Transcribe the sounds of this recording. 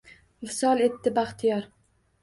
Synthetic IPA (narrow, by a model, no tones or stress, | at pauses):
ɪlsɒlˠet̪ːɪbaχt̪ʰijɒɾ